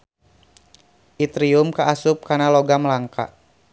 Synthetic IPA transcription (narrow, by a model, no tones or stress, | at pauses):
ʔit̪ɾiʊmkaʔasʊp̚karnalɔɡamlaŋka̰